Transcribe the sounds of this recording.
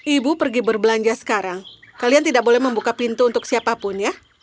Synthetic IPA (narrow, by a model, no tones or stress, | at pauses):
ʔibupərɡibərbəlaɲd͡ʒasə̥kaɾaŋ | kaliant̪idaʔk̚bolɛhməmbukapint̪uːnt̪ʊksiapapʊnja